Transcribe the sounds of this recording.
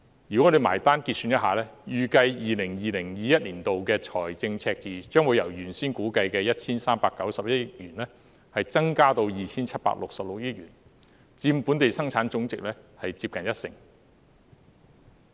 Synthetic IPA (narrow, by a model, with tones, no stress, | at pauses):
jy˨˩kɔ˨˥le˨˧jma̰ː˨˩jt̪aː˥nkiː˧t̚syː˧njɐ˥t̚ɦaː˨˩lɛː˥jyː˨kɐ˧jjiː˨lɪ˨˩ŋjiː˨lɪ˨˩ŋjiː˨jɐ˥t̚liː˨˩nt̪o˨wkɛː˧t͡ʃʰɔ̰ː˨˩jt͡sɪ˧ŋt͡sʰɛː˧k̚t͡siː˨t͡ʃœː˥ŋwu˨˧jɐ˨˩wjyː˨˩nsiː˥nkuː˨˥kɐ˧jkɛː˧jɐ˥t̚t͡sʰiː˥nsaː˥mpaː˧kːɐ˨˥wsɐ˨p̚jɐ˥t̚jɥyː˨˩nlɛː˥ | hɐ˨jt͡sɐ˥ŋkaː˥t̪o˧wjiː˨t͡sʰiː˥nt͡sʰɐ˥t̚pa̰˧˥lʊ˨k̚sɐ˨p̚lʊ˨k̚jɪ˥k̚jyː˨˩n | t͡siː˧m˨puː˨˥nt̪e˨jsɐ˥ŋt͡sʰaː˨˥nt͡sʊ˨˥ŋt͡sɪ˨k̚lɛː˥hɐ˨jt͡siː˧p̚kɐ˨njɐ˥t̚sɪ̰˨˩ŋ